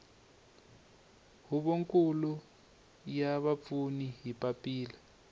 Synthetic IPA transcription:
ɦuβoŋkʼulu | jaβap̪funiɦipapʼiːla

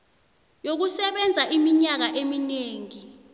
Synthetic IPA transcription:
jok̬usɛɓɛnd͡zʱaʔimiɲak̬aʔemineːŋi

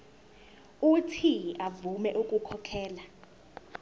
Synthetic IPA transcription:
utʰiavumɛʔukʼukʰɔkʰɛːla

